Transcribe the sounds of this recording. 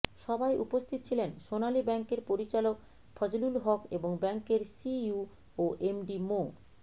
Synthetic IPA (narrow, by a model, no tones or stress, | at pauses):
ʃɔbajʔupost̪ʰit̪ot͡ɕʰilenʃonalibɛŋkeɾpoɾit͡ɕalok | fʰɔd͡ʑolulɦɔkeboŋbɛŋkeɾsiu | oʔemɖimo